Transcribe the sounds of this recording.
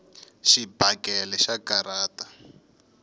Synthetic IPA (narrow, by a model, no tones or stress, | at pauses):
ʃibakɛlɛʃakaɾaːtḁ